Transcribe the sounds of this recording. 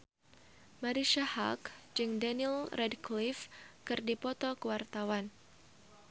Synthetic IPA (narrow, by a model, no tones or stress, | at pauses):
maɾiʃaha̰kd͡ʒɨŋdanilrɛdklɪfkɨrdipɔt̪ɔkəwart̪awan